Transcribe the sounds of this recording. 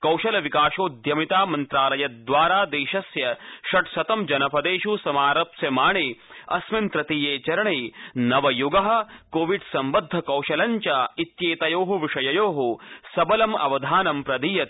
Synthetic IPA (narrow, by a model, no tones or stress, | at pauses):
kɐwʃɐlɐʋikaːʃoːd̪ʱjɐmit̪aːmɐnt̪ɾaːlɐjɐd̪ʋaːɾaːd̪eːʃɐsjɐʃɐʈsɐt̪ɐmd͡ʒɐnɐpʰɐd̪eːʃusɐmaːɾɐpsjɐmaːɳeːɐ̰smɐnt̪ɾɐt̪iːjeːt͡ʃɐɾɐɳenɐʋɐjuɡɐɦɐ̆koːʋiɖsɐmbɐd̪ʱːɐkɐwʃɐlɐɲt͡ʃɐit̪jeːt̪ɐjoːɦuʋiʂɐjɐjoːɦusɐbɐlɐmɐ̰ʋɐd̪ʱaːnɐmpɾɐd̪iːjɐt̪